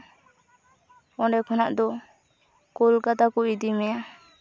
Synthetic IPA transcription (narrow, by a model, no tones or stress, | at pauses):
ɔ̃ɖɛkʰɔnaʔd̪ɔ | kɔlɡat̪akuʔid̪imɛja